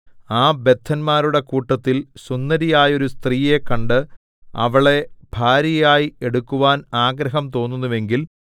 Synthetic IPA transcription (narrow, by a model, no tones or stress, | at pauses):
aːbe̞t̪ʰːɐnmaːɾuɽe̞kuːʈːɐt̪ːilsunːɐɾijaːjo̞ɾust̪riːje̞kːɐɳɖɨ | ɐ̰ʋɐɭe̞b̥ʱaːɾjɐjaːjieɽukːuʋaːnaːɡɾɐɦɐmt̪o̞ːnːunːuʋe̞ŋɡil